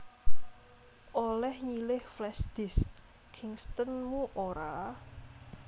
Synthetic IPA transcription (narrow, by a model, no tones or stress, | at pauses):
ʔolɛhɲilɪhflɛsd̪̥ɪs | kʰɪŋst̪ənmuʔoɾa